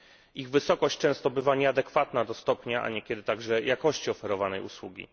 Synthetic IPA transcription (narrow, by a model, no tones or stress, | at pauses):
iɣvɘsɔkɔɕt͡ɕt͡ʂɛ̃w̃st̪ɔbɘvaɲɛad̪ɛkfat̪nad̪ɔst̪ɔpɲaʔa̰ɲɛkʲɛd̪ɘt̪aɡʐɛjakɔɕt͡ɕiɔfɛɾɔvanɛjṵswṵɡʲḭ